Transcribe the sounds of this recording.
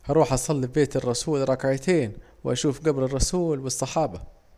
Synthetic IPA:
ʔɑɾˤuːħʔɑsˤɑlːibbeːt̪ɪrˤːɑsuːlɾˤɑkʕat̪ʰeːn | wɪʔaʃuːfɡabɾɪrˤːɑsuːlwɨsˤːɑħɑːbɑ

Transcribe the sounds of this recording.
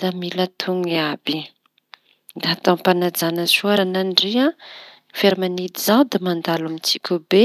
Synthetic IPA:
d̪amilat̪ʰuŋiabi | raat̪ãpanad͡zanəsuaɾananɖ͡ʐia | feɾimanid̪izawd̪imand̪alamit͡sikʲube

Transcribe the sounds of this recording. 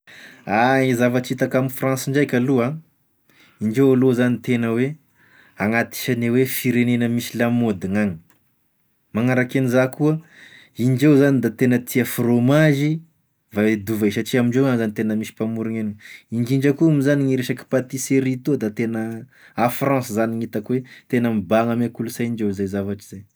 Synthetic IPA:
aizavat͡ʃit̪akamifrãnsiɳd͡ʒajkʲalua | iɳd͡ʒewalozanit̪enəwe | aŋat̪i̥ʃanewefiɾenenəmisilamod̪iŋaŋi̥ | maŋaɾakenizakuə | ind͡ʒewzanid̪at̪enət̪ʰiafromaʒi | vad̪uvasaʈ͡ʂiamiɳɖ͡ʐewanzanit̪enəmisi̥pamuɾiŋeniiɳd͡ʒiɳd͡ʒakuumizaniŋiɾeʃaki̥pat̪iseɾit̪od̪at̪enə | afrɑ̃szaniŋit̪akwet̪enəmibaŋamekulusaind͡ʒezajzavaʈ͡ʂi̥z̥aj

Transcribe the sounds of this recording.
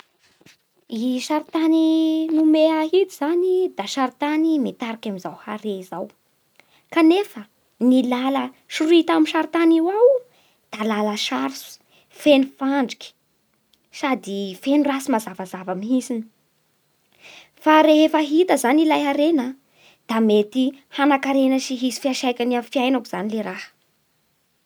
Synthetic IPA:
iʃaɾit̪aninumeaɦit̪iz̥anid̪aʃaɾit̪animet̪aɾakʲamizawha̰ɾeizaw | kanefə | nilalə | ʃuɾuit̪amiʃaɾt̪aniwaw | d̪̥alaləʃaɾsu̥ | fenifaɳɖ͡ʐi̥kʲi̥ | sad̪ifenirasimazavazavamiɦisini | faɾeefaɦit̪əzanilajɦaɾenə | d̪̥amet̪ihanakaɾenəʃiɦisi̥fiaʃajkʲanamfiajnakuz̥anileɾahə̥

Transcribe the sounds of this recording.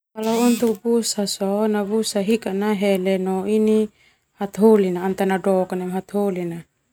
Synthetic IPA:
kalaunt̪uk̚busasɔnabusaɦikanaɦɛlɛnɔini | hat̪ɦolinaːnt̪anadɔkanamɦat̪ɦolina

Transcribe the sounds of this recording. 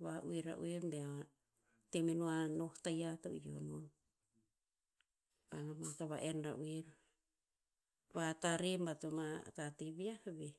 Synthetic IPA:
βaʔuiɾa̰ʔṵeɾbeaa | temenuanohtajato̰io̰non | βanamataβaʔenɾa̰ʔueɾ | βataɾimbatomatatiβiahbe

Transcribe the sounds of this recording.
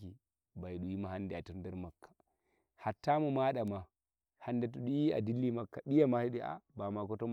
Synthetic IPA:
ki | baiɗujimahandeatundeɾmakʰːḁ | hatːamomaɗama | handetuɗujia̰dilːimakːaɓijamahiɗiʔa̰bamakotom

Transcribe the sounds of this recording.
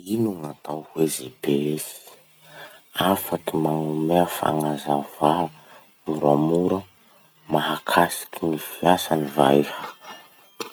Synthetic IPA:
inuŋat̪awhwezebeesi̥ | afakimaŋumefa̰ŋazava | muɾamuɾə | maɦakʰasi̥kinifiasaniva̰jha

